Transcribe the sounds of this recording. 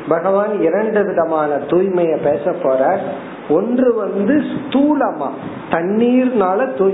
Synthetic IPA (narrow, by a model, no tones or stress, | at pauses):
bɐɣɐʋaːnɪɾɐɳɖɯʋɪðɐmaːnɐt̪uːjmɐjɐpeːsɐpːoːɾaːɾ | ɔndrɯʋɐnd̪ɯst̪uːlɐmaː | t̪ɐɳːiːɾnaːlɐt̪uː